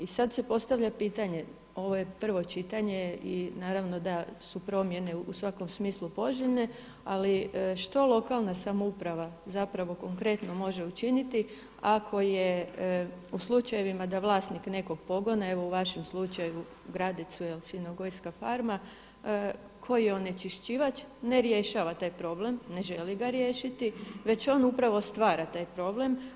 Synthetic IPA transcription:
isad̪se̞po̞st̪aʋʎapiːt̪aɲe̞ | o̞ʋo̞je̞pr̩ʋo̞t͡ʃit̪aɲe̞inaːɾaʋno̞d̪asupɾo̞mje̞ne̞usʋako̞msmiːslˠupo̞ʒilne̞ | aliʃt̪o̞lˠo̞kalˠnasamoupɾaʋazapɾaʋo̞ko̞ŋkɾe̞t̪no̞mo̞ʒe̞ut͡ʃinit̪i | akʰo̞je | uslˠut͡ʃaje̞ʋimad̪aʋlˠaːsnikne̞ko̞ɡ̚po̞ɡo̞nae̞ʋo̞uʋaʃemslˠut͡ʃaju | ɡɾad̪it̪suelsinoɡo̞jskafaɾma | kʰo̞jjeone̞t͡ʃiʃt͡ɕiʋat͡ʃne̞ɾje̞ʃaːʋat̪aːjpɾo̞ble̞mne̞ʒe̞liɡaɾje̞ːʃit̪iʋe̞t͡ɕo̞ːnupɾaʋo̞st̪ʋaːɾat̪aːjpɾo̞ble̞m

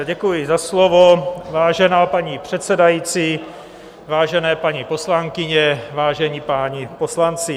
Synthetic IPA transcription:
ɟɛkujɪzaslovovaːʒɛnaːpaɲipr̥ɛt̪sɛdajiːt͡siː | vaːʒɛnɛːpaɲipo̞slaŋkɪɲɛvaːʒɛɲipaːɲiposlant͡sɪ

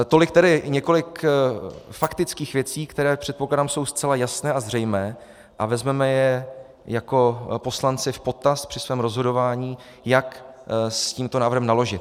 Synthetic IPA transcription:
t̪o̞lɪkt̪ɛdɪɲɛko̞lɪk | fakt̪ɪt͡skiːxvjɛt͡siːkt̪ɛɾɛːpr̥ɛt̪̚poklaːdamsowst͡sɛlajasnɛːʔazr̝ɛjmɛː | ʔavɛzmɛmɛjɛ | jako̞po̞slant͡sɪfpo̞t̪ast̪pr̥ɪsvɛːmɾo̞zɦodo̞vaːɲiː | jaksciːmt̪o̞naːvrɾɦɛmnalo̞ʒɪt̪

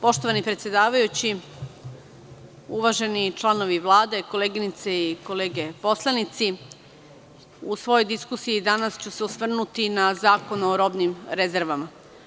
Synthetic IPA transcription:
po̞ʃt̪o̞ʋanipɾet̪sje̞d̪aːʋajut͡ɕi | uʋaʒe̞nit͡ʃlˠano̞ʋiʋlˠaːd̪e̞ko̞leːɡinit̪seiko̞leːɡe̞po̞slˠanit̪si | usʋo̞jojd̪iskusijid̪anast͡ɕuseusʋr̩nut̪inazaːkonoɾo̞bnimɾeze̞ɾʋama

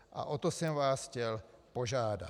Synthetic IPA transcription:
ʔa̰ʔot̪osɛmvaːsxcɛlpo̞ʒaːda̰

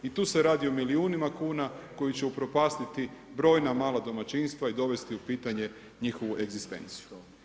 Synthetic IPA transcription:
it̪uːse̞ɾaːd̪io̞miliuːnimakuːnako̞jit͡ɕeupɾo̞paːst̪it̪ibɾo̞ːjnamaːlad̪o̞mat͡ʃinst̪ʋaid̪o̞ʋe̞st̪iupiːt̪aɲe̞ | ɲixo̞ʋuʔe̞ɡzist̪e̞̰nt̪si̥ju

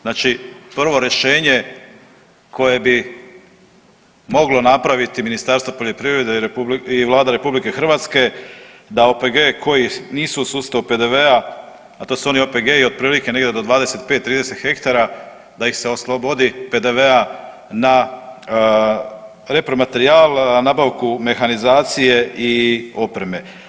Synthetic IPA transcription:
znaːt͡ʃipr̩ʋo̞ɾe̞ʃe̞ːɲe̞ | kʰo̞je̞bi | mo̞ɡlo̞napɾaʋit̪iminist̪aɾst̪ʋopo̞ʎo̞pɾiʋɾe̞d̪eiʋlˠaːd̪aɾe̞publike̞xr̩ʋat̪ske̞d̪aopeɡe̞kʰo̞jiniːsusuːst̪aupe̞d̪e̞ʋe̞a | at̪o̞ːsuo̞nio̞pe̞ɡeio̞d̪̚pɾiːlike̞ne̞ɡd̪ed̪o̞d̪ʋaːd̪e̞se̞t̪̚pet̪ːɾiːd̪ese̞t̪xe̞kt̪aɾa | d̪aixse̞o̞slˠobo̞d̪ipe̞d̪e̞ʋea | na | ɾe̞pɾo̞mat̪e̞ɾiaːlˠnaːbaʋkume̞xanizaːt̪sije̞io̞pɾe̞me̞

